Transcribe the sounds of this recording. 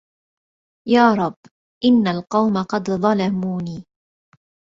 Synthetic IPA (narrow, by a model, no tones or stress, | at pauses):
jaːɾˤɑbː | ʔɪnːalqɑwmaqɑd̪ðˤɑlamuːniː